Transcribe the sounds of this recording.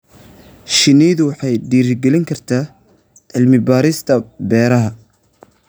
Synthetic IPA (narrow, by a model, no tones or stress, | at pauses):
ʃɪniːðʊwɑħɑjɖiːɾɪɡɛlɪŋkʰɐrt̪ʰaː | ʕɪlmɪbaːɾɪst̪ʰɐbɛːɾɐɦɐ